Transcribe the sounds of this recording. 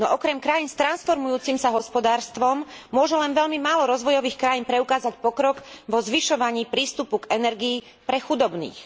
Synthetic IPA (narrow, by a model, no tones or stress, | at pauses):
nɔʔɔkɾɛmkɾajiːnst̪ɾansfɔɾmujuːt͡simsaɦɔspɔd̪aːɾst̪ʋɔmːʊɔʒɛlɛnʋɛʎmimaːlɔɾɔzʋɔjɔʋiːxkɾajiːnpɾɛukaːzacpɔkɾɔɡʋɔzʋiʃɔʋaɲiːpɾiːst̪upuɡɛnɛɾɡiː | pɾɛxud̪ɔbnḭːx